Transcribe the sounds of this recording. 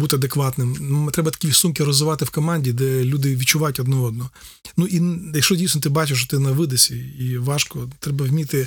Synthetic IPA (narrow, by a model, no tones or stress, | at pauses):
but̪ɪɐd̪ekʋɑt̪nɪmt̪ɾɛbɐt̪ɐkʲisumkʲɪɾɔzʋɪʋɑt̪ɪwkɔmɑnʲdʲid̪ɛlʲud̪ɪʋʲit̚t͡ʃːʊʋɑjʊtʲɔd̪nɔɔd̪nɔ | nuʔijɐkʃt͡ʃɔdʲijsnɔt̪ɪbɑt͡ʃɪʃt͡ʃɔ̥t̪ɪnɐʋɪd̪esʲiiʋɑʃkɔt̪ɾɛbɐwʲmʲit̪ɪ